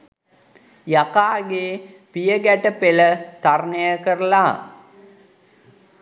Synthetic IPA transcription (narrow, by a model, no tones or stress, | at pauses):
jakaːɡeː | pijəɡæʈəpelət̪arnəjəkəɾəlaː